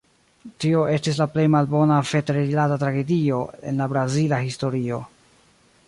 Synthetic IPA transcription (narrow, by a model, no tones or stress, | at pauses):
tio̞ʔe̞stis̬laple̞jmalbo̞nafe̞deɾeilatatɾaɡe̞dio̞e̞̰nlabɾazilahisto̞ɾio̞